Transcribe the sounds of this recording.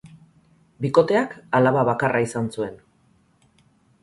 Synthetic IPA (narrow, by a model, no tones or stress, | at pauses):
biko̞t̪e̞akalaβaβakarʔaisansue̞n